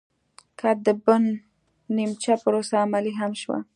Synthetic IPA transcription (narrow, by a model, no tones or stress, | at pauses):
kʰad̪əbʊnː | imt͡ʃapəɾosaːmaliɦamʃwa̰